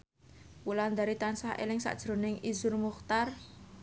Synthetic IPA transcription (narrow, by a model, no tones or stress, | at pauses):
wuland̪aɾit̪ansahʔḛlɪŋsa̰ʔd̥ʒ̥ɾo̤nɪŋizʊrmuxt̪ar